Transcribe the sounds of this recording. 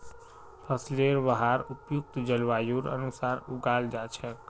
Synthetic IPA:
pʰəsleɾbəɦaɾupjuk̚t̪d͡ʒəlʋajuɾə̰nusaɾuɡald͡ʒat͡ʃʰɛ

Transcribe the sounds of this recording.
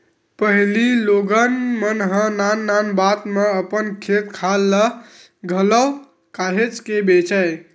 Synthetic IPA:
pəɦililoɡənmənɦə̃nanːanbat̪meəpənkʰet̪kʰalːə | ɡʱələw | kaɦet͡ʃkebet͡ʃɛj

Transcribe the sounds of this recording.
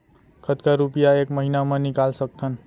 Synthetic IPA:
kʰʌt̪kaɾupijaekmʌɦinamanikalsʌk̚t̪ʰʌn

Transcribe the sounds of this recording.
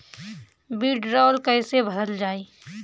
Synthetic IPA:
biːɖɾɔːlkəɪsebʱəd̪əld͡ʒaːeː

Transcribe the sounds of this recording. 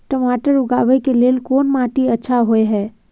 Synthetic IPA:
ʈəmaːʈəɾʊɡa̰ːʋɛkeleːlkoːnmãʈiətːʃʰaɦoeɦɛː

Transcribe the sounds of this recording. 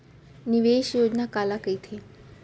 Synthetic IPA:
niʋeʃjoːd͡ʑnakalakəit̪ʰe

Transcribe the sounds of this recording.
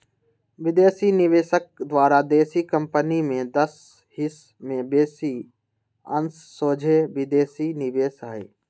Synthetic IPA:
ʋɪd̪eːsinɪʋeːsək̚d̪waːɾad̪eːsikə̃mpənimẽd̪ɐs | hɪs | mẽbeːsi | ə̃nsːoːd͡ʒʱeʋɪd̪eːsinɪʋeːsɦəḛː

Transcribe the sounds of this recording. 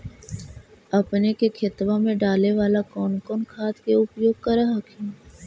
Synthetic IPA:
ɐpnekekʰɪt̪ʋamẽɖaːleʋaːlakɔːnkɔːnkʰaːt̪keʊpjoːɡ̚kɐɾaɦɐkʰĩː

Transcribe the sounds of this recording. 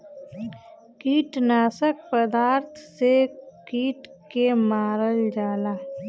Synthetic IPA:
kiːʈnaːsək̚pəd̪aːɾt̪ʰsekiːʈkemaːɾəld͡ʒaːlaː

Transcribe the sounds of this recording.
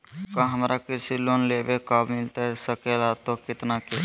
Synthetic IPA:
kaɦəmɾakɪsiloːnleːbekabmɪlt̪aɦɛsəkelat̪okɪt̪nake

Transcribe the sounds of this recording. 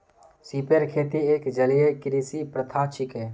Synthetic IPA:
siːpeɾkʰeːt̪ieːkd͡ʒəlijekɪɾiːsipɾət̪ʰaːt͡ʃɪkɦeː

